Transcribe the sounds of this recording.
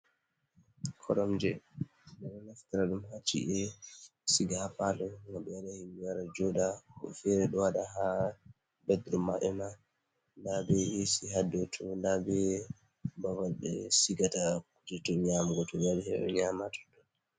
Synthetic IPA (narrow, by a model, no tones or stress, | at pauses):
kʰɔɗɔmd͡ʒɛ | nanɔnaftiɾaɗumhat͡ʃːḭʔɛsiɡapalɔmaɓɛaɗahimːijaɾad͡ʒɔɗaɔfɛɾɛɗɔwaɗaɦa | bɛd̪ɾumaɓɛma | ndabɛisiɦadːɛtʰɔndabɛ | bavabɛ̰siɡatakud͡ʒɛtɔɲamɡɔtɔbaɗɛhɛɛ̰ɲamatɔ̥dɔn